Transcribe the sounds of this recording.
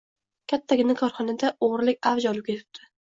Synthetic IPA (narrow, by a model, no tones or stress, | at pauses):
kʲʰat̪ʰːaɡʲɪnɪkʰɒɾχɒnad̪aoʁɾlɪkʲavd͡ʒɒlˠɪp̚kʲʰet̪ʰɪ̥p̚d̪̥ʰɪ̥